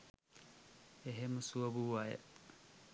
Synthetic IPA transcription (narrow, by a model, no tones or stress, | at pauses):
eɦeməsuʋɐbuʋajḛ